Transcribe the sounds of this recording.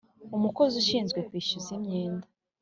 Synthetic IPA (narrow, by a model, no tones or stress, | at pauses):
umuko̞zuʃiːnzɡwe̞kwiːʃuzimɲeːndḁ